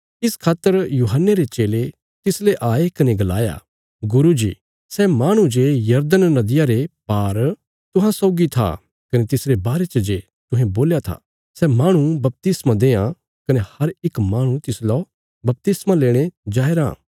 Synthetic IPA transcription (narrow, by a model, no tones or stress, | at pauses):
ɪskʰaːt̪ːəɾjuːɦənːeɾet͡ʃeːle | t̪ɪsleʔaːekɐneɡɐla̰ːja̰ | ɡʊɾud͡ʒḭː | sɛmaːɽ̃ũd͡ʒejɐɾd̪ənːɐd̪ɪjaɾepaːɾ | t̪ʊɦãsɔːɡit̪ʰa̰ | kɐnet̪ɪsɾebaːɾet͡ʃɐd͡ʒe | t̪ʊ̃ɦẽboːljat̪ʰa̰ | sɛmaːɽ̃ubɐp̚t̪ɪsmãd̪eːã | kɐnehɐɾɪkmaːɽ̃ũt̪ɪslɔ | bɐp̚t̪ɪsmãleːɽ̃ed͡ʒaːeɾã̰ː